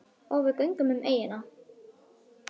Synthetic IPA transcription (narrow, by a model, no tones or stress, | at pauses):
ɔɣvɪðkœjŋkʏmʏmʔeːjɪna